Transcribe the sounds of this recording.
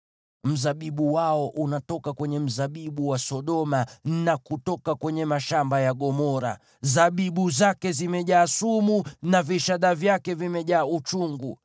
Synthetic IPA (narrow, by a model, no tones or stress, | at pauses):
m̩zaɓiɓuwaɔʔunatɔkakwɛɲɛm̩zaɓiɓuwasɔɗɔmanakutɔkakwɛɲɛmaʃambajaɠɔmɔɾa̰ | zaɓiɓuzakɛzimɛʄaːsumunaviʃaɗavjakɛvimɛʄaːut͡ʃuŋɡu